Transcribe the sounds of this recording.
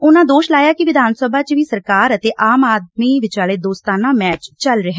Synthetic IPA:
ʊnãːd̪oːʃlaːjaːkɪʋɪd̪ʱaːnsəbʱaːt͡ʃʋiːsəɾkaːɾət̪eːʔaːmaːd̪miːʋɪt͡ʃaːleːd̪oːst̪aːnãːmɛːt͡ʃt͡ʃəlɾɪɦɛː

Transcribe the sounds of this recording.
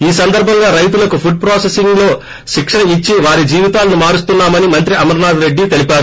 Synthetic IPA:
iːsɐnd̪ɐɾbʱɐŋɡaːɾɐjt̪̬ulɐkupʰuɖ̚pɾaːsesiŋɡlo̞ː | ʃikʂɐɳɐit͡ʃːiʋaːɾid͡ʒiːʋit̪aːlɐnumaːɾust̪unːaːmɐnimɐnt̪ɾiɐmɐɾnaːd̪ɾe̞ɖːit̪e̞lipaːɾu

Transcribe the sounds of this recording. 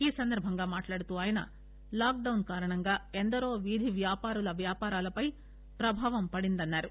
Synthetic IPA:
iːsɐnd̪ɐɾbʱɐŋɡaːmaːʈlaːɽut̪uːaːjɐnɐ̰ | laːk̚ɖɐwnkaːɾɐɳɐŋɡaːend̪ɐɾo̞ːʋid̪ʱiʋjaːpaːɾulɐʋjaːpaːɾaːlɐpɐj | pɾɐbʱaːʋɐmpɐɽind̪ɐnːaːɾu

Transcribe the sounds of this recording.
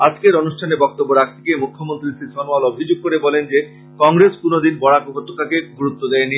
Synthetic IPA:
ad͡ʑkeɾonuʃʈʰaneɾbɔk̚t̪obːoɾak̚t̪ʰi̥kemukʰːomont̪ɾiʃit̪ɔnwalobʱid͡ʑoɡ̚koɾebɔlend͡ʑe | kɔŋɾeskunod̪inbɔɽakokot̪ʰːokakeɡuɾut̪ːod̪ɛeni

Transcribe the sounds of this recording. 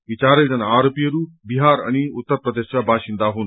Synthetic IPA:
ʋit͡ɕaːɾeld͡zɐnaɾopijəɾuːpbiɦaɾa̰ñiut̪ːəɾpɾəd̪eʃʋabʱaɕind̪aːɦuːn

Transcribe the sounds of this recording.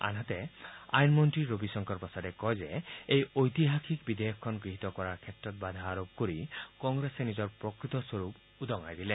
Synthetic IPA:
a̰nɦat̪ea̰jnmɔntɹiɾobisɔŋkʰɔɹpɔsaɾɛkɔjzeejojt̪iɦakʰikbid̪ejɔkʰːɔnɡiɦit̪ɔkɔɾaɹkʰetɾɔt̪̚bad̪ʱaːɾob̚koɾikɔŋɡɾesenizɔɹpɹokɹit̪ɔswoɾup | ud̪ɔŋa̰jd̪ile

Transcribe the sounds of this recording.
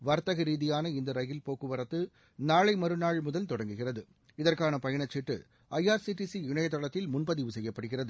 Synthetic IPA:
ʋɐɾt̪ɐɣɐɾiːðɪjaːnɐɪnd̪ɐɾɐjɪlpoːkɯʋɐɾɐt̪ːɯ | naːɭɐɪmɐɾɯnaːɻmʊðɐlt̪ɔɽɐŋɡɯɣɪrɐðɯ | ɪðɐrkaːnɐpɐjɐɳɐt͡ʃːɪʈrɯ | ɐjaːɾsiʈːisiɪɳɐjɐt̪ːɔɭɐt̪ːɪlmʊnpɐðɪʋɯsɛjːɐpːɐɽɯɣɪrɐðɯ

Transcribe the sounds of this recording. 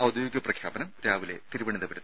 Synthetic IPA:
ɐwud̪ʱjoːɡɐprɐkʰjaːpɐnɐmɾaːʋile̞̰t̪iɾuʋɐɳiðɐpɐɾut̪ː

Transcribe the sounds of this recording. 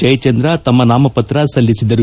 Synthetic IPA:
d͡ʒɐjt͡ʃɐnd̪ɾɐt̪ɐmːɐnaːmɐpɐt̪ɾɐsɐlːisid̪ɐɾu

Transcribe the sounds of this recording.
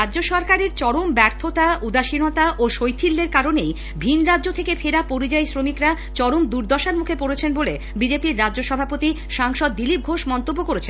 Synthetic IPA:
ɾaoʃɔɾkaɾeɾt͡ɕɔɽombɛɾt̪ʰot̪aud̪aʃinot̪aʔoʃojt̪ʰilːeɾkaɾonej | bʱinɾadd͡ʑot̪ʰekefʰeɾapoɾid͡ʑajsɾomikɾa | t͡ɕɔɽomd̪uɾd̪ʱɔʃaɾmukʰepoɽet͡ɕʰenbole | bid͡ʑepiɾːadːoʃɔbʱapot̪i | ʃaŋʃɔd̪ːilip̚ɡʱoʃmɔnt̪obːokoɾet͡ɕʰen

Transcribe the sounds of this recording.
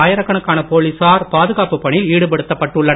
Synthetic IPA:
aːjɐɾɐkːɐɳɐkːaːnɐpoːlisaːɾpaːðɯɣaːpɯpːɐɳɪliːɽɯpɐɽɯt̪ːɐpːɐʈːɯɭːɐ

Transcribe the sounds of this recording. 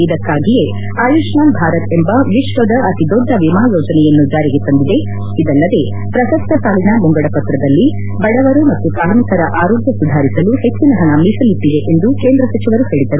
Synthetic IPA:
id̪ɐkːaːɡije̞ | aːjuʂnaːnbʱaːɾɐt̪e̞mbɐʋiʃʋɐd̪ɐʔɐt̪id̪ɔɖːɐʋimaːloːd͡ʒɐnɛjɐnːud͡ʒaːɾiɡet̪ɐnd̪id̪e̞ | id̪ɐlːɐd̪e̞ | pɾɐsɐst̪ʰɐsaːlinɐmuŋɡɐɽɐpɐt̪ɾɐd̪ɐlːi | bɐɽɐʋɐɾumɐt̪ːupɾaːɾmikɐɾɐʔaːɾoːɡjɐsud̪ʱaːɾisɐluhe̞t͡ʃːinɐɦɐnɐmisɐlit̪ːid̪e̞ʔend̪ukeːnd̪ɾɐsɐt͡ʃiʋɐɾuhe̞ːɭid̪ɐɾu

